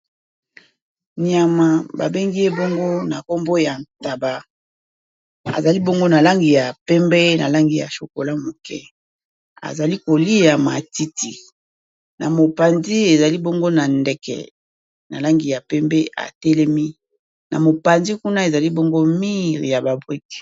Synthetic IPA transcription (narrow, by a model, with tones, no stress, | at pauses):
ni˨a˨ma˨ba̰˨be˦ŋɡi˦e˦bo˦ŋɡo˦na˨ko˦mbo˦ja˨nta˨ba˦ | a̰˨za˨li˦bo˦ŋɡo˦na˨la˦ŋɡi˨ja˨pɛ˦mbɛ˦na̰˨la˦ŋɡi˨ja̰˨ʃo˨ko˨la˦mo˨kɛ̰˦ | a̰˨za˨li˦ko˨li˦ja˨ma˨ti˦ti˨ | na˨mo˨pa˨nzi˦e˨za˨li˦bo˦ŋɡo˦na˨ndɛ˨kɛ̰˨ | na˨la˦ŋɡi˨ja˨pɛ˦mbɛ˦a̰˨tɛ˦lɛ˦mi˦ | na̰˨mo˨pa˨nzi˦ku˦na˦e˨za˨li˦bo˦ŋɡo˦mi˦ʁja˨ba˨bʁi˦k